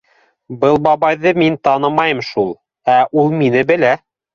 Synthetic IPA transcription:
bɤlˠbɑβɑjðɤmint̪ɑnɤmɑjɤmʃulˠ | æʔulˠminɘbɘ̆læ

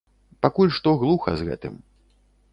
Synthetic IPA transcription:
pakulʲʂt̪ɔɣlˠuxɐ̰zɣɛ̰t̪ɨ̰m

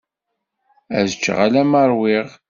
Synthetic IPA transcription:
æ̰zət͡ʃːʁalæməɾˤwɪʁ

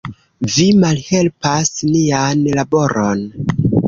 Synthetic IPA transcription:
vimalhe̞lpasnianlabo̞ɾon

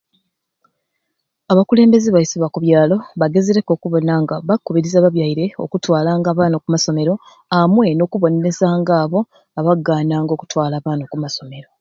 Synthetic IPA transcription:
aβakule̞ːmbe̞zeβajisiβakuβjaːlo̞βaɡe̞zeɾe̞ko̞ːkuβo̞naŋɡaβakːuβiɾizaβaβjajiɾe̞o̞̰kutwaːlaːŋɡaːβaːnokumaso̞me̞ɾo̞ | amwe̞no̞ːkuβo̞nee̞zaːŋɡaːβo̞ | aβaɡːaːnaːŋɡo̞ːku̥twaːlaːβaːnokumaso̞me̞ɾo̞

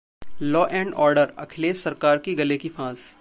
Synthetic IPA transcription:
lɔːʔɛ̃ːɳɖɔːɾɖəɾɐ̰kʰɪleːsɐɾkaːɾkiɡɐlekifʰãːs

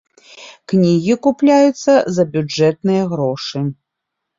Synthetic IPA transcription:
knʲiɣʲikuplʲajut̪sːɐzɐbʲud͡ʐɛt̪̚nɨjɐɣɾɔʂɨ

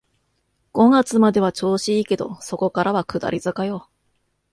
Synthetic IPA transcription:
ɡ̥o̞ŋat͡sɨmad̪e̞β̞at͡ɕo̞ːɕiike̞d̪o̞̰so̞ko̞kaɾaβakɯ̟d̪a̰ɾʲizɨkajo̞ː

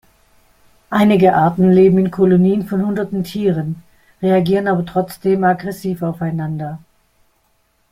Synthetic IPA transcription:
ʔaɪnɪɡəʔaɐtn̩leːbm̩ɪnkʰɔloniːənfɔnhʊndɐtn̩tʰiːʁən | ʁeaɡiːʁənaːbɐtʁ̥ɔt͡sd̥eːmaɡʁɛsiːfaʊfaɪnandɐ

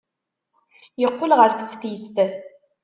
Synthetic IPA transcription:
jəqːʊlʁəɾθə̥fθist̪

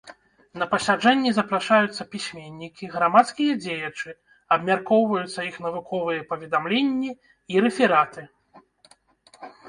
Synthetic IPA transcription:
nɐpɐsʲad͡ʐɛnʲːizɐpɾaʂajut̪sːɐpʲisʲmʲenʲːikʲiɣɾamat̪skʲijɐd͡zʲejɐt͡ʂɨ | ɐbmʲarkɔwvɐjut̪sːɐixn̪ɐvukɔvɨjɐpɐvʲɛd̪amlʲenʲːi | iɾɛfʲiɾat̪ɨ

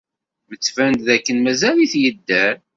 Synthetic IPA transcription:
mət͡sːvænt̪ðækːənmæzæliθjəd̪ːæɾ

